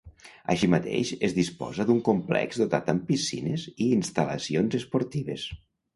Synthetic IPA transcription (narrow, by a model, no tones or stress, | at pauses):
a̰ʃimat̪ḛʃezðispɔ̰zəðuŋkumplɛ̰kzd̪ot̪at̪əmpisḭneziːnst̪alə̰sionzespoɾt̪iβ̞ḛs